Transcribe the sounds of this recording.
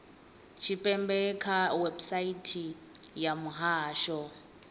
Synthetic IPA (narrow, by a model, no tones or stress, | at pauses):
t͡ʃʰipʼɛmbɛkʰawɛbsaitʰijamuɦaːʃɔ